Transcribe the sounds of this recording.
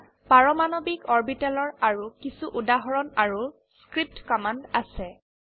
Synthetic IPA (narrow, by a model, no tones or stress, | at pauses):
paɹɔmanɔbikɔɹbitalɔɹaɹukisuʔudaɦɔɹɔnaɹu | skɹip̚tkɔmandasɛ